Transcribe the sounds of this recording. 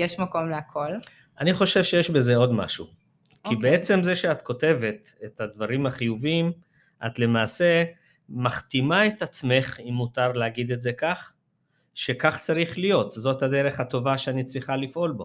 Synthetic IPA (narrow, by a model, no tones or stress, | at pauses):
jeʃmako̞mleakʰol | aniχo̞ʃevʃejeʃbe̞ze̞o̞d̪ma̰ʃu | kibee̞t͡se̞mzeʃeat̪ko̞te̞ve̞t̪ethad̪vaʁimaχijuvim | ʔa̰tle̞maːse̞ | maχt̪imaet̪at͡sme̞χimːutaʁleaɡid̪e̞tze̞kaχ | ʃe̞kaχt͡saʁiχlijo̞t̪zo̞thade̞ʁe̞χhato̞vaʃeanit͡sʁiχalifʔo̞lbo̞